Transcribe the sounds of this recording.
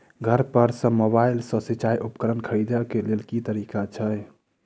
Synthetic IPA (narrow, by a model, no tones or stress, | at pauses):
ɡʱəɾpəɾsə̃moβailsə̃sit͡ʃajʔupə̥kəɾənkʰəɾid̪əkelelkit̪əɾikat͡ʃʰəj